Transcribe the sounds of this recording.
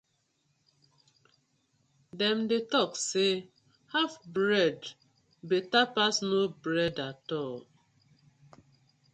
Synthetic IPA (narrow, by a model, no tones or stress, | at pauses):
dɛmdetɔkse | hafbɾɛd | betapasnobɾɛdatɔl